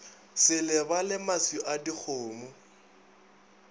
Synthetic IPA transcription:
sɪlɪbalɪmasiʔadik͡xʰʊːmʊ

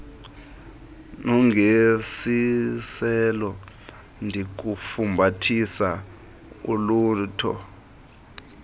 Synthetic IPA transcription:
nɔŋɡʱesisɛlɔ | ndʱik̬ufumbʱatʰisa | uluːntʰɔ̰

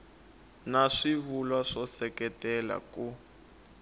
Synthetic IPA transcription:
naʂiβulwaʂɔsɛkɛtɛla̰ku

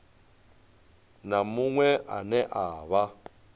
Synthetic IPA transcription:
namuŋwɛʔanɛʔaːβa

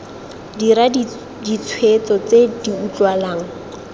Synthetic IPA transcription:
diɾa | dit͡sʰwet͡sɔt͡sediut͡ɬwalaːŋ̩

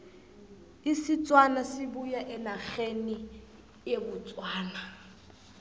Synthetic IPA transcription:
ɪsɪt͡sʼwanasɪbujaʔɪnaχeni | ebʊt͡sʼwaːna

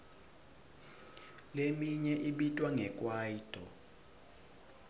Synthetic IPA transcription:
lemiɲɛʔiɓitʼwaŋɛkʼwaːitʼɔ

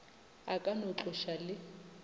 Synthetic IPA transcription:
akʼanʊǁʊʃalɪ

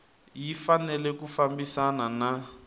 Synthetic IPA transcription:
jifanɛlɛkufambisanana

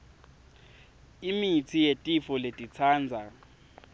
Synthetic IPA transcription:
imit͡sʰijetʼifɔletʼit͡sʰaːnd͡zʱa

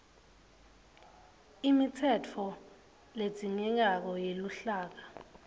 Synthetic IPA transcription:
imitʰɛtʰɔ | le̥z̥ʱiŋɛŋak̬ɔjeluɬaːk̬a

